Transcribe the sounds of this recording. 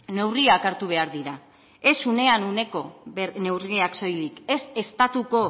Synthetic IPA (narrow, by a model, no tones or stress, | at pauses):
ne̞wriakaɾt̪uβ̞e̞aɾðiɾa | e̞sune̞anune̞ko̞ene̞wriakso̞jlike̞se̞st̪at̪uko̞